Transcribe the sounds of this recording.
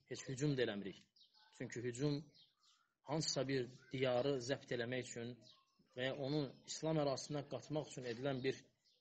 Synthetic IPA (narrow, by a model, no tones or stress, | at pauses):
he̞t͡ʃhyd͡ʒumd̪elæmiɾiç | t͡ʃʰyɲcʰyɦyd͡ʒum | hɑnsɯ̥sɑbiɾd̪̥ijɑɾɯzæbt̪ʰe̞læmæjyt͡ʃʰyn | væjɑʔo̞nuislˠɑmæɾɑːsɯnd̪ɑɡɑt̪ʰmɑχyt͡ʃʰyne̞d̪ilænbiɾ